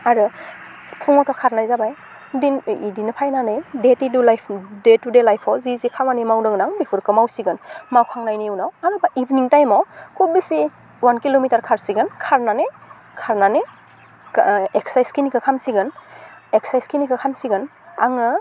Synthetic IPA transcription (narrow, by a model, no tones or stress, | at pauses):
aɾɯ | pʰuŋɔtɔkʰaɾnajzabaj | diidinɯpʰajnanɯjdetidulajpʰdetudelajpʰɔwzizikʰamanimawdɯŋnaŋbipʰɯɾkɯmawsiɡɯnmawkʰaŋnajnijuwnawaɾɯbaʔibniŋtajmɔwkʰubisi | wankilomitaɾkʰaɾsiɡɯnkʰaɾnane | kʰaɾnane | eksajskinikʰɯkʰamsiɡɯneksajskinikʰɯkʰamsiɡɯn | aŋɯ